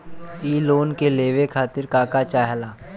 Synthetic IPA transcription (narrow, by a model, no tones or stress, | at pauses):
iːloːnkeleːʋekʰaːt̪ɪɾkaːkat͡ʃaːɦlaː